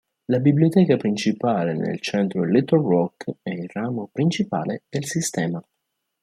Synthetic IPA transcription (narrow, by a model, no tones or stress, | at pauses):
labibliot̪ɛːkapɾint͡ʃipaːlenḛlt͡ʃɛnt̪ɾolet̪orɔkɛilraːmopɾint͡ʃipa̰ːled̪̥elsist̪ɛːma